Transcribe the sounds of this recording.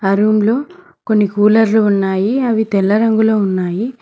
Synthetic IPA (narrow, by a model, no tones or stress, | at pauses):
ɐɾuːmlo̞ː | ko̞nːikuːlɐɾluːnːaːjiɐʋit̪ɛlːɐɾɐŋɡuloːunːaːji